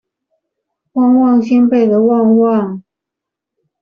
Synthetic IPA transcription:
wɑ˥˧ŋwɑ˥˨ŋɕi˥npe˥˩ɪd̪ə˨wɑ˥˧ŋwɑ˥˨ŋ

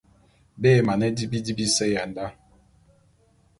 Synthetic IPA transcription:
bɛ˦˨ma˨nɛ˦di˦bi˦di˦bi˦sɛ˦ja˨n˨da˦

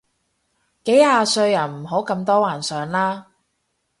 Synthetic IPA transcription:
ke˨˥jhaː˧sɵ˧ɥjɐ˨˩nm̩˨˩ɦo˨˥wkɐ˧mt̪ɔː˥waː˨˩nsœː˨˧ŋlaː˥

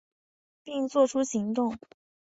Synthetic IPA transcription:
pi˥˧ŋt͡swɔ˥˩ʈ͡ʂʰu˥ɕi˧˥ŋt̪ʊ˥˩ŋ

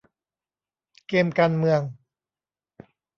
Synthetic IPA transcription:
keː˧mkaː˧nmɯ˧əŋ

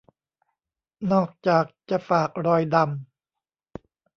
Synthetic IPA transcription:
nɔː˥˩k̚t͡ɕaː˨˩k̚t͡ɕa˨˩faː˨˩k̚ɾɔː˧jda˧m

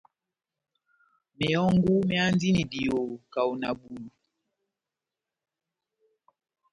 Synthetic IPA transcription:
me˨ɔ˦ŋɡu˦mja˦n˦di˦ni˨di˨o˨ka˨u˨na˨bu˨lu˨

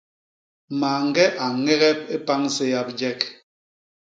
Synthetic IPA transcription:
maː˨ŋ̩˦ɡɛ˦ʔa˨ŋɛ˦ɣɛ˦p̚e˦pa˦ŋse˦ja˦p̚d͡ʒɛ˦k

